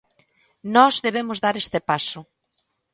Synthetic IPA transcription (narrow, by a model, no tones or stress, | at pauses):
nɔzðeβ̞emʊzðaɾest̪epasʊ